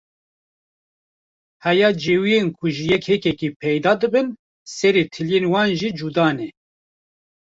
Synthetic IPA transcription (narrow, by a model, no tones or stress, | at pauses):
hɛjɑːd͡ʒeːwijenkʰʊʒɨjɛkhɛkɛkipʰɛjd̪ɑːd̪ɨbɨn | sɛɾet̪ʰɨljeːnwɑːnʒid͡ʒud̪ɑːnɛ